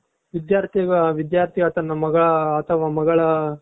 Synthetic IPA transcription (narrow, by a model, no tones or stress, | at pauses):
ʋid̪jaːɾt̪ʰijɐɡɐʋid̪jaːɾt̪ʰiɡɐt̪ɐnːɐmɐɡɐɭɐːt̪ʰɐʋaːmɐɡɐɭɐ